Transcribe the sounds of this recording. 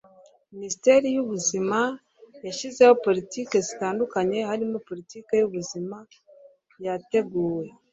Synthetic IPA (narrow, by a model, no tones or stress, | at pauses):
ministe̞ːɾijuβuzima | jaʃize̞ho̞po̞litike̞zitaːndukaɲe̞haɾimo̞po̞litike̞juβuzima | jate̞ɡuːwe̞